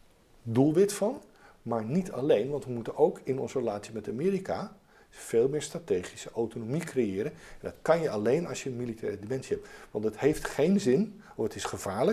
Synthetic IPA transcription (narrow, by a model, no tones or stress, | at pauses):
dulˠʋɪtfɑn | maːɹnitʰɑ̰lejnʋɑntʋəmutənowkʰɪnɔnzərəlaːtsimɛtamɪːɾika | v̥eːlˠmɪːɹstratejχisəʔowtonomikrejɪːɾənɛndɑtkɑnjəɑlejnɑ̰sjəənmilitʰɛːrədimɛnsiɦɛp̚tʋɑntəthejftχejnzɪn | ɔfətɪsχəv̥aːɹlə